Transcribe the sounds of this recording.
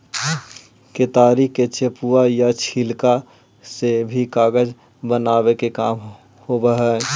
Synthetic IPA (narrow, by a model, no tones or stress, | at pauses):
ket̪aːɾiket͡ʃepuajat͡ʃʰilka | sebʱikaːɡəd͡ʒ | bənaːwekekaːm | hobəɦɛ